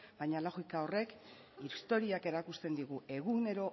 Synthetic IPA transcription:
bajɲalaɣikao̞re̞k | ist̪o̞ɾiake̞ɾakust̪e̞nd̪iɣue̞ɣune̞ɾo̞

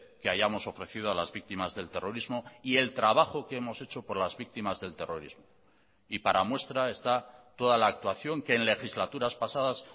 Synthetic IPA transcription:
ke̞aʝamo̞so̞fɾe̞θið̞oalazβik̚t̪imazðe̞lt̪e̞ro̞ɾizmo̞ie̞lt̪ɾaβaxo̞keemo̞se̞t͡ʃo̞po̞ɾlazβik̚t̪imazðe̞lt̪e̞ro̞ɾizmo | ipaɾamwe̞st̪ɾae̞st̪at̪o̞ðalaːk̚t̪waθjo̞ŋke̞ːnle̞xizlat̪uɾaspasaðas

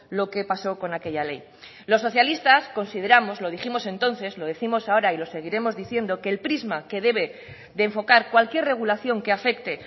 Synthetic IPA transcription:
lo̞ke̞paso̞ko̞nake̞ʎale̞̰j | lo̞sːo̞θjalist̪asko̞nsið̞e̞ɾamo̞zloð̞iximo̞sẽ̞nt̪o̞nθe̞zlo̞ð̞eθimo̞sao̞ɾailo̞seɣ̞iɾe̞mo̞zðiθje̞nd̪o̞ke̞ːlpɾizmake̞ð̞e̞β̞e̞ | ðeːɱfo̞kaɾkwalkje̞re̞ɣ̞ulaθjo̞ŋkeafe̞kt̪e̞

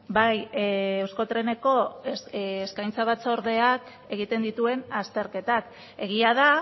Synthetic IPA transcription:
bajewsko̞t̪ɾe̞ne̞ko̞ː | skajnt͡saβat͡soɾðe̞ak | e̞ɣ̞it̪e̞nd̪it̪ue̞nast̪e̞ɾke̞t̪ak | e̞ɣ̞iað̞a

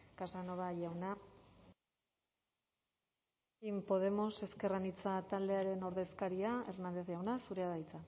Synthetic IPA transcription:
kasano̞βaʝawna | impo̞ð̞e̞mo̞se̞ske̞ranit͡sat̪ald̪e̞aɾe̞no̞ɾðe̞skaɾiae̞rnand̪e̞θʝawnasuɾeaðajt͡sa

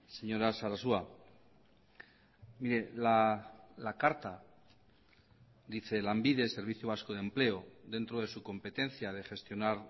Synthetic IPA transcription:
se̞ɲo̞ɾasaɾasua | miɾe̞lalakaɾt̪a | d̪iθe̞lambiðe̞se̞ɾβiθjoβaskoð̞emple̞o̞ðe̞nt̪ɾo̞ð̞e̞suko̞mpe̞t̪e̞nθjaðe̞xe̞st̪jo̞naɾ

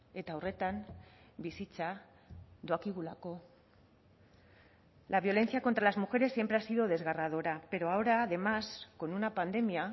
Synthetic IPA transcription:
e̞t̪aure̞t̪ambisit͡sa | ðoakiɣulako̞ | laβjo̞le̞nθiako̞nt̪ɾalazmuxe̞ɾe̞sːje̞mpɾe̞asiðoð̞e̞zɣarað̞oɾape̞ɾo̞aoɾaːðe̞masko̞nunapand̪e̞mia

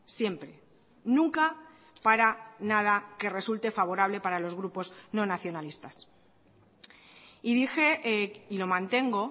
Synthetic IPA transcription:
sje̞mpɾe̞ | nũŋka | paɾanað̞ake̞re̞sult̪e̞faβo̞ɾaβ̞le̞paɾalo̞zɣɾupo̞zno̞naθjo̞nalist̪as | iðixe̞ilo̞mãnt̪e̞ŋɡo̞

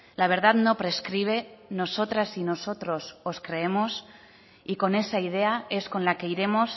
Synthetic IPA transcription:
laβe̞ɾð̞at̪nopɾeskɾiβ̞e̞no̞sot̪ɾasinosot̪ɾo̞soskɾe̞emos | iko̞ne̞saið̞e̞aeskonlake̞iɾe̞mos

